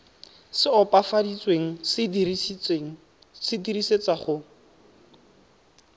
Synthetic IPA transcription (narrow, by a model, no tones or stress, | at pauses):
sɪɔpafadit͡sweŋ̩sɪdirieŋ̩ | sɪdiriset͡saχʊ